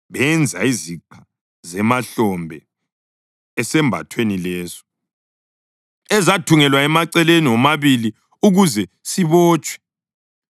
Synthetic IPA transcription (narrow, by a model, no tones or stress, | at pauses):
βɛnd͡zʱa̰iziǃʰa | zɛmaɬɔmbʱɛ | ɛsɛmbʱa̰tʰwenilɛːsɔ̥ | ɛzatʰuŋɛlwaɛmaǀɛleniɔmaβili | uɣuzɛ | siβɔːt͡ʃʼwɛ̥